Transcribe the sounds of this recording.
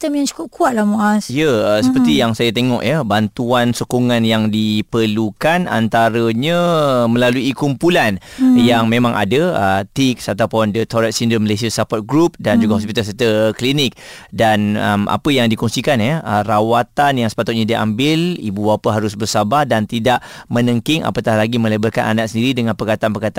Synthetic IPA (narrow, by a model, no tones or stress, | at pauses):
t̪əmjaŋt͡ʃu̥kʊp̚kuat̪̚lahmoʔasijəəsəpərt̪ijaŋsajat̪eŋɔ̰ʔjəbant̪uansokoŋanjaŋdipərlukana̰nt̪aɾəɲə̃mə̃laluikumpulanjaŋmẽmãŋʔa̰dəət̪iksat̪apʊndət̪ʰɔɾɛt̪sindəməlasiasapɔt̪̚ɡɾup̚dand͡ʒuɡahɔs̬pit̪alsɛt̪əklinɪk̚danə̰ma̰pəjaŋdikɔŋsikanɛərawat̪anjaŋsə̥pat̪ʊt̪̚ɲadia̰mbɪlḭbuwapəɦaɾʊsbərsabahdant̪idaʔmə̃nəŋkɪŋʔa̰pət̪ahlaɡimə̃ləbərkananaʔsəndiɾidəŋãnpərkat̪anpərkat̪a